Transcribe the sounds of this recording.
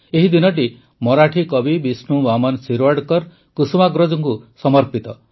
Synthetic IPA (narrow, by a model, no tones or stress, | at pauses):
eɦid̪inɔʈ̬i | mɔɾaʈʰikɔbibisnubamɔnsiɾwaɽkɔɾ | kusmaɡɾɔd͡ʒɔŋkusɔmɔɾpit̪ɔ